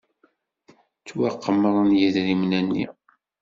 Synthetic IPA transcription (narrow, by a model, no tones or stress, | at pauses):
t͡sːwaqʰːəmːəʁˤənjæðɾimnænːḭ